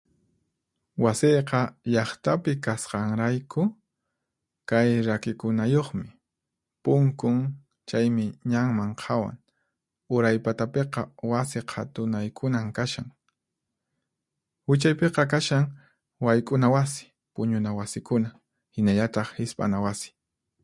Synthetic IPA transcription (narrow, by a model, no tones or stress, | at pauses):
wasejqɑʎɑχt̪apɪkasqɑŋɾajkʊ | kajɾakɪkʊnajoχmɪ | pʊŋkʊŋ | t͡ʃajmɪɲaŋmaɴqʰɑwa̰ŋ | ʊɾajpat̪apeqɑwasɪqʰat̪ʊnajkʰʊnamkaʃaŋ | hʊt͡ʃajpeqɑkaʃaŋ | wajkʼʊnawasɪ̥ | pʊɲʊnawasɪkʊna | hɪnaʎat̪ɑχhɪspʼa̰nawasɪ̥